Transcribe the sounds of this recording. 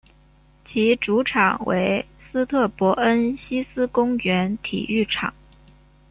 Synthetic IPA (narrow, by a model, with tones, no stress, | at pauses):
t͡ɕʰi˧˥ʈ͡ʂu˧˥ʈ͡ʂʰɑ˨˩ŋwḛ˧˥ɪsɹ̩˥t̪ʰɤ˥˩pwɔ˧˥ʔə˥nɕi˥sɹ̩˥kʊ˥ŋɥɛ˧˥nt̪ʰḭ˨˩y˥˩ʈ͡ʂʰɑ̰˨˩˦ŋ